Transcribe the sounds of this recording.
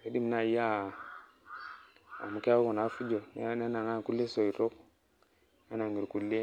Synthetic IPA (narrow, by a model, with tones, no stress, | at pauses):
e˨˦di˦m˨na˨˦ja˦˨ | a̰˨mu˨ka˦ku˨na˨˦fu˦d͡ʒo˨n˦ne˦na˨ŋa˦˨ku˦lːe˦so˨i˨ɾo˦k | a˦na˨ŋɡi˨ɾku˨lːe˦